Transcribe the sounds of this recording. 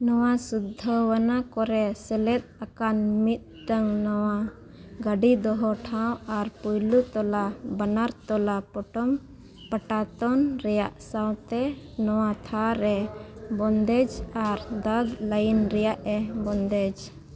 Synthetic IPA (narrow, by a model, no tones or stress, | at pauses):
nɔwasud̪ʱːəwanakɔɾɛsɛlɛt̪̚ˀakanmit̪̚ʈəŋnɔwa | ɡaɖid̪ɔɦɔʈʰawaɾpujlut̪ɔlabənaɾt̪ɔlapɔʈɔm | pəʈat̪ɔnɾɛjaʔsawt̪ɛnɔwat̪ʰaɾɛbɔnd̪ɛd͡ʒaɾd̪ad̪ləjinɾɛjaʔɛbɔnd̪ɛd͡ʒ